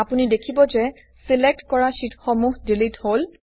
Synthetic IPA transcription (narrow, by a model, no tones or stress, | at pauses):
apunidekʰibɔzɛ | silek̚tkɔɹaʃitxɔmuɦdilithol